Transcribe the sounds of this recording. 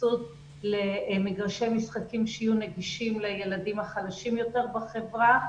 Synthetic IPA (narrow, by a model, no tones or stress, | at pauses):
sud | lemeɡaʁʃemisχakimʃeijuneɡiʃimlajeladimhaχadaʃimjo̞te̞ʁbaχevʁa